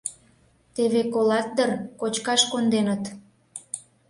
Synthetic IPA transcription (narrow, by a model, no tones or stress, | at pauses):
t̪eβekolɑt̪̚d̪ərkot͡ɕkɑʃkond̪enət̪